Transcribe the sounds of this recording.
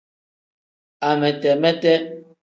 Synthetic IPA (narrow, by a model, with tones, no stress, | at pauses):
a˨mɛ˨tɛ˨mɛ˦tɛ˦